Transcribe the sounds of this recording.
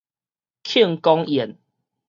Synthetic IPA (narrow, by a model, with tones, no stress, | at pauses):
kʰi˥˨ŋkɔ˦ŋɛ˨˩˦n